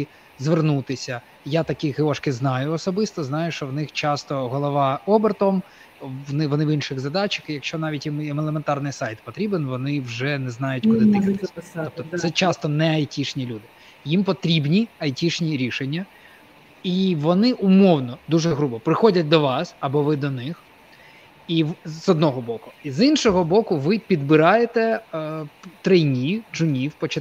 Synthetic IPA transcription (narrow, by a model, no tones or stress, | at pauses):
i | zʋernut̪ɪsʲɐ | jat̪ɐkʲixeɔʃkɪznɑjʊɔsɔbɪst̪ɔznɑjʊʃt͡ʃɔwnɪxt͡ʃɑst̪ɔɦɔlˠɔʋɑɔbert̪ɔm | ʋnɪʋɔnɪʋinʃɪɣzɐd̪ɑt͡ʃɐ̥xɪjɐkʃt͡ʃɔnɑʋʲitʲjimɛmelˠement̪ɑrnɪjsɑjt̪pɔt̪ɾʲibenʋɔnɪwʒɛnɛznɑjʊtʲkkʊd̪ɪt̪ɪk̪ɔp̚t̪ɔsɛt͡ʃɑst̪ɔnɛɐjtʲiʃnʲilʲud̪ɪ | jimpɔt̪ɾʲibnʲiɐjtʲiʃnʲiɾʲiʃenʲːɐ | iʋɔnɪʔʊmɔwnɔd̪uʐɛɦɾubɔpɾɪxɔdʲɐt̚ʲd̪ɔʋɑsɐbɔʋɪd̪ɔnɪx | iʋzɔd̪nɔɦɔbɔkʊizinʃɔɦɔbɔkʊʋɪpʲid̪bɪɾɑjet̪ɛ | t̪ɾɛjnʲiʒʊnʲiwpɔt͡ʃɐ